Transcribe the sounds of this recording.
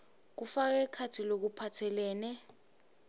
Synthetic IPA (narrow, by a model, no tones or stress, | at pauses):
k̬ufak̬ɛkʰatʰilok̬upʰatʰɛlɛːnɛ